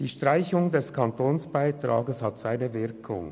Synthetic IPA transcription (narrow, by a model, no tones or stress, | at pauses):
d̥iːʃtʁ̥aɪçʊŋdɛskʰɑntoːnsb̥aɪtʁ̥a̰ːɡəshɑtz̥aɪnəvɪʁkʰʊ̰ŋ